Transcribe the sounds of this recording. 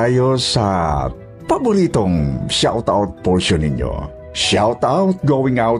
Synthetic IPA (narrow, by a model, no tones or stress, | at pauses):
ajosɐ | pɐbʊɾiːt̪oŋʃawt̪a̰wt̪̚poɹʃonɪ̰ɲjo̰ | ʃawt̪awt̪̚ɡowɪ̃ŋaw